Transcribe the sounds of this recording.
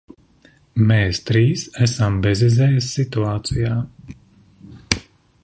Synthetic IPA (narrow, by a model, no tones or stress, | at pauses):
mɛːst̪ɾiːsæsambɛzizɛːjɪsʲːit̪uaːt̪sijaː